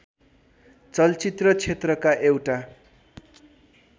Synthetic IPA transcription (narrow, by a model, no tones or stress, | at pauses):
t͡sʌlt͡sit̪rʌt͡sʰet̪rʌkaʔewʈa